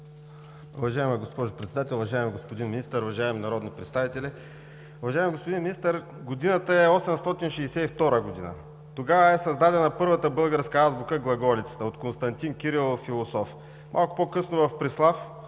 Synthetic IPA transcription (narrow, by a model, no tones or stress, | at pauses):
uvɐʒaɛməɡospɔʒʊpɾɛt̪sɛd̪at̪ɛlˠʊvɐʒaɛmiɡospod̪inminist̪əɾʊvɐʒaɛminɐɾɔd̪nopɾɛt̪st̪avit̪ɛlɛ | ʊvɐʒaɛmɛɡospʊd̪inminist̪əɾ | ɡod̪inət̪əɛɔsɛmst̪ɔt̪inʃɛsɛift̪ɔɾəɡod̪inə̰ | t̪oɡavəɛsɐzd̪ad̪ɛnɐpɤɾvət̪əbɤlˠɡəɾskəazbukəɡlˠɐɡɔlit̪sə̥t̪əot̪konst̪ɐnt̪inkʲiɾilˠfːilˠosɔf | mʔa̰lˠkʊ̥pokɤsnʊvɐfpɾislˠaf